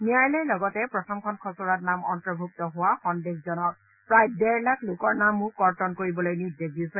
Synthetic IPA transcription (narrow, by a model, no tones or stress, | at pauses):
mijajlɛjlɔɡɔtɛpɹɔtʰɔmkʰɔnkʰɔsuɹatnamɔntɹɔbʱuk̚tɔɦʊwaxɔndexzɔnɔk̚ | pɹajdɛɹlaklʊkɔɹnamːʊkːɔɹtɔnkoɹibɔlojnidekdisɛ